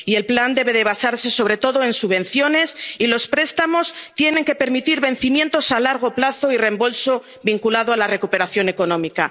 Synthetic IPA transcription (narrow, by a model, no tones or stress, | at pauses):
ie̞lpland̪e̞βe̞ðe̞β̞asaɾse̞so̞β̞ɾe̞t̪o̞ðo̞e̞nsuβ̞ẽ̞nθjo̞ne̞silo̞spɾe̞st̪amo̞st̪je̞ne̞ŋke̞pe̞ɾmit̪iɾβẽ̞n̟θimje̞nt̪o̞salaɾɣ̞o̞plaθo̞ire̞mbo̞lso̞ | βiŋkulaðoalare̞kupe̞ɾaθjo̞ne̞ko̞nõ̞mika